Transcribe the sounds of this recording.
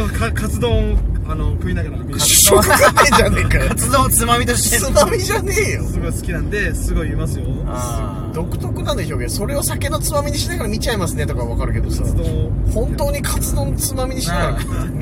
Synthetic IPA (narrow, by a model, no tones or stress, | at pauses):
okʰakʰat͡sɨd̪õanokɯ̟inaɡɾakokɯnaid͡ʑanekaat͡sɨd̪õt͡sɨmamʲit̪oɕt̪esɨnamʲiʑane̞josɨɡo̞isɨ̥kʲinãnd̪e̞sɨɡo̞iimasɨjo | a | d̪o̞kɯ̟̥t̪o̞kɯ̟nanoçʲo̞ːɡẽ̞so̞ɾe̞o̞sake̞no̞t͡sɨmamʲiɲ̟iɕinakaɾamʲit͡ɕaimasɨne̞t̪o̞kaββakaɾɯ̟ke̞d̪osd̪õhõ̞nt̪o̞ːɲ̟ikʰat͡sɨd̪õ̞nt͡sɨmamʲiɲ̟iɕinakaɾaka